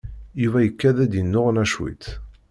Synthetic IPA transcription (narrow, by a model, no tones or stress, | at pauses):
juvæjəkːæðæd̪jənːʊʁnæʃwḭt̪